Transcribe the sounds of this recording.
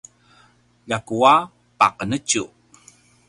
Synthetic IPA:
ʎakua | paqənət͡ɕu

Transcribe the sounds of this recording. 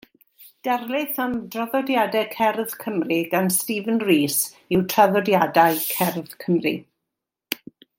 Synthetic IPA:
d̥ɛrlɪθamdraðɔdjadɛkʰɛrð̥kʰəmriɡanstiːvənriːs | iwtʰraðɔdjadaɨkʰɛrð̥kʰəmrḭ

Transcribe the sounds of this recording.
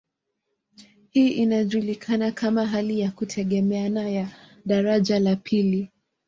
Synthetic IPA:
hiːʔinaʄulikʰanakʰamaɦalijakutʰɛɠɛmɛanaja | ɗaɾaʄalapʰili

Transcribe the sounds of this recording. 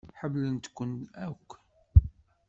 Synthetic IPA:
ħəbːlənt̪ə̥kʷːənækʷː

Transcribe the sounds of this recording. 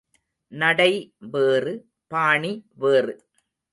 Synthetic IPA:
nɐɽɐɪʋeːrɯ | paːɳiʋeːrɯ

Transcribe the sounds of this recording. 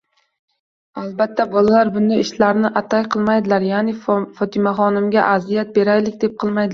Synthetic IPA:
alˠbat̪ʰːabɒlalaɾbʊnd̪aɪʃlaɾnɪʔat̪ʰajqʰɨlˠmajd̪ɪlaɾjaːnɪfɒt̪ʰɪmaχɒnɪmɡʲa̰ʔazijat̪̚be̞ɾajlɪkʲd̪e̞p̚qʰɨlˠmajd̪ɪ

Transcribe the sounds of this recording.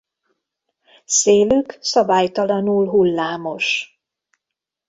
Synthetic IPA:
seːlyksɒbaːjt̪ɒlɒnulɦulːaːmo̞ʃ

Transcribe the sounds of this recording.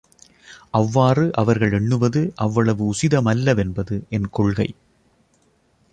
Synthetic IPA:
ʔɐʋːaːrɯʔɐʋɐɾɣɐɭɛɳːɯʋɐðɯʔɐʋːɐɭɐʋɯʊsɪðɐmɐlːɐʋɛnbɐðɯʔɛnkɔɭɣɐɪ

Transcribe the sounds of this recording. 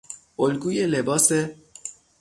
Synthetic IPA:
olɡuːjelebɒːse

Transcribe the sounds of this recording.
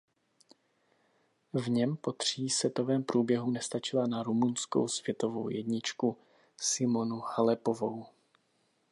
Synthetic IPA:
vɲɛmpo̞t̪r̝̥iːsɛt̪o̞vɛːmpɾʔuːbjɛɦunɛst̪at͡ʃɪlanaɾumunsko̰wsvjɛt̪o̞vo̞̰wjɛdɲɪt͡ʃku | sɪmo̞nuhalɛpovow

